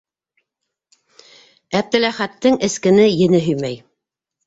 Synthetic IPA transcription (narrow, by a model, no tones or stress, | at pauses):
æp̚t̪ɘ̆læχæt̪ːɘŋɘ̆skɘ̆nɘjɘ̆nɘɦɵ̆jmæj